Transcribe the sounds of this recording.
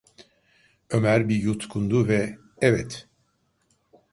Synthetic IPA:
ømæɾbijut̪kʰund̪uvɛ | ɛvɛt̪

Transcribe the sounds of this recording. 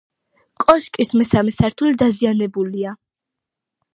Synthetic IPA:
kʼɔʃkʼismɛsamɛsaɾt̪ʰulid̪azianɛbulia

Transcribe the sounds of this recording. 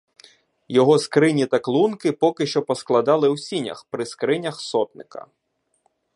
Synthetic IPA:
jɔɦɔskɾɪnʲit̪ɐklˠunkɪpɔkɪʃt͡ʃɔpɔsklˠɐd̪ɑlˠɪwsʲinʲɐ̰xpɾɪskɾɪnʲɐxsɔt̪nɪkɐ̰

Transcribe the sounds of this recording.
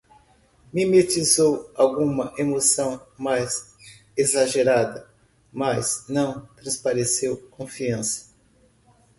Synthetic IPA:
mimet͡ʃizowawɡũmɐʔemosɐ̃w̃majz | ezaʒeɾad̪ɐ | mɐznɐ̃w̃t̪ɾɐ̃spaɾesewkõfiɐ̃sɐ̥

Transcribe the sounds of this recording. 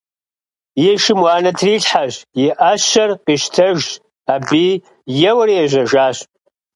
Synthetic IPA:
jiʂɪmwaːnɐtʰriɬħaʒiʔaʃɐrqiʃtʰɐʒtʼ | abi | jɛwɐriaʒʷɐʒaːɕʼ

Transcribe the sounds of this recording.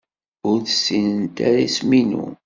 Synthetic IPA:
ʊɾθəsːinənt̪aɾasminṵ

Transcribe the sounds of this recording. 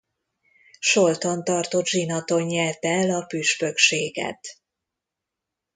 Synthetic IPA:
ʃo̞lt̪o̞nt̪ɒrt̪o̞t̪ʒinɒt̪o̞ɲːɛt̪ɛlɒpyʃpø̞kʃeːɡɛ̰t̪

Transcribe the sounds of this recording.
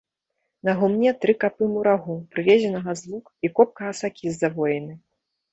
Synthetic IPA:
nɐɣumnʲɛt̪ɾɨkapɨmuɾaɣupɾɨvʲɛzʲɛnɐɣɐzlˠukikɔp̚kɐɣɐsakʲʰizːavɔjɛnɨ

